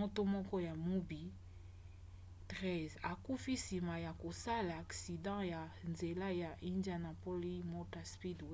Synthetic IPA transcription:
o˦to˦mɔ˦kɔ˦ja˨mu˦bi˨ | tʁɛ˦˨za˨ku˦fi˦si˨ma˨ja˨ko˨sa˦laː˨ksi˨dɑ̃˦ja˨nze˨la˦ja˨ʔi˦nda˦na˨po˦li˦mo˦ta˨spi˦dwe˦

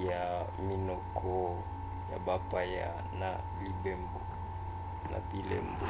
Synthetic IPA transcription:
ja˨mi˦nɔ˨kʰɔ˦ | ja˨ba˨pa˦ja̰˨ | na˨ | li˨be˦mbo˨ | na̰˨bi˨lḛ˦mbo˨

